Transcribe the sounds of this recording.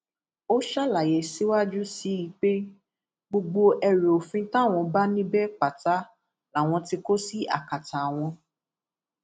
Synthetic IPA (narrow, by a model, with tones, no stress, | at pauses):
o˦ʃa˦la˨je˨si˦wa˦d͡ʒu˦si˨˦i˧˦k͡pe˦ | ɡ͡bo˧ɡ͡bo˧ʔɛ˧ɾe˨o˨fĩ˧ta˦˨w̃ɔ̃˧ba˦nĩ˦bɛ˦k͡pa˨ta˨˦ | la˨w̃ɔ̃˧ti˧ko˦si˦a̰˦˨ka˨ta˨w̃ɔ̃˧